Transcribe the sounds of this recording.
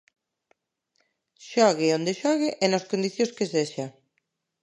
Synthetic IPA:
ʃɔɣeond̪eʃɔɣeʔenoskond̪iθjoskeseʃa

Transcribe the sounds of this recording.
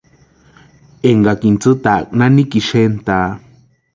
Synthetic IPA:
eŋɡakint͡sɨt̪ak̚ʼnãnĩkiʃent̪a

